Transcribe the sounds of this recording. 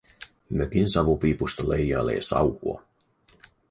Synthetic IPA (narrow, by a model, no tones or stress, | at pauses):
møkinsɑʋupipust̪ɑlejɑlḛːsɑ̰whuo̰